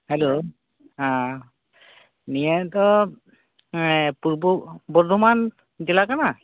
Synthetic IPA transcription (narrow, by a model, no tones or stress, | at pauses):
hɛlo | ã | nijɛtɔ | pububɔdʱuman | zilakana